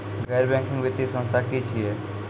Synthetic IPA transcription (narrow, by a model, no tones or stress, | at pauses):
ɡɛːɾbɛ̃ːŋkɪ̃ŋɡʋɪt̪ːisə̃nst̪ʰakit͡ʃʰiɛː